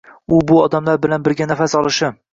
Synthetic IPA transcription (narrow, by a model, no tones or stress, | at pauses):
ʊbʊɒd̪amlaɾbɪlanbɪɾɡʲanafasɒlˠɪʃɪ